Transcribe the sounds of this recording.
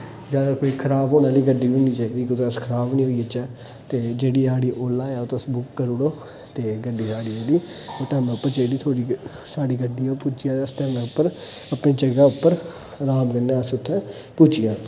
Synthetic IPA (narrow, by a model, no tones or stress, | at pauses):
d͡ʒjaːd̪aːkoːiːkʰəɾaːbɦoːnãːliːɡəɖːiːõːniːt͡ʃaːid̪iːkʊt̪əskʰəɾaːbnĩːɦoːiːət͡ʃɛː | t̪eːd͡ʒeːɽiːaːɽiːʔoːlaːɛːoːt̪ːsbʊkːəɾʊɽoː | t̪eːɡəɖːiːsaːɽiːaːliːoːt̪ɛːm̃ːpːəɾt͡ʃeːiɖiːt̪ʰoːɽi | saːɽiːɡəɖːiːoːpuːt͡ʃɪjaːəst̪əɾnãːʊpːəɾəpniːd͡ʒəɡaːʊpːəɾ | ɾaːbɡənãːəsʊt̪ʰːɛ̃ː | puːt͡ʃɪjãː